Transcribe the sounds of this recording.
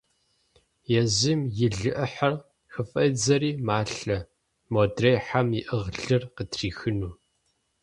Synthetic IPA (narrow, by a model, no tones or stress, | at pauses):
jɛzɨmjɪɮɨʔɐħɐr | xɨfʼɐd͡zɐɾiːmaːɬɐ | moːdrejħamɪʔəʁɮɨrqətʰriːxɨnuː